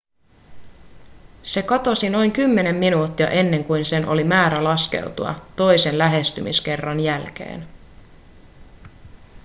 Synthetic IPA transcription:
se̞kɑt̪o̞sino̞jŋkymːe̞ne̞mːinuːt̪ːiɑ̰ʔe̞nːe̞ŋkujnse̞nʔo̞̰limæːɾælɑske̞̰wt̪uɑ̰t̪o̞jse̞nlæɦe̞st̪ymiske̞rːɑnjælk̟e̞̰ːn

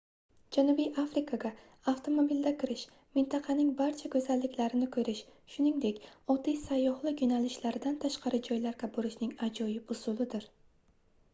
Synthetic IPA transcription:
d͡ʒanubijʔafɾɪkʰaɡʲa | aft̪ʰo̞mobild̪akʲɪɾɪʃ | mɪnt̪ʰɑqʰɑnɪŋbaɾt͡ʃʰakʰɵzalːɪkʲlaɾɪnɪkʰɵɾɪʃʃʊnɪŋd̪e̞kʲɒt̪ːijsajːɒhlˠɪjonalɪʃlaɾɪd̪ant̪ʰaʃqɑɾɪd͡ʒɒjlaɾkʲaboɾɪʃnɪŋad͡ʒɒjɪpʊsʊlˠɪd̪ɪɾ

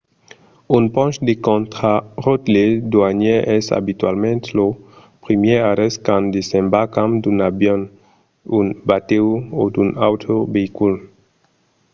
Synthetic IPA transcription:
unpɔ̃nʃd̪ekɔ̃nt̪χaʁot̪led̪waɲeʔɛsa̰bit̪ɥalmɛ̃nt̪lo | pɾimjeaɾɛskãnd̪esɛ̃mbakãmd̪unabjɔ̃n | unbat̪ewod̪una̰wt̪ɾobeikul

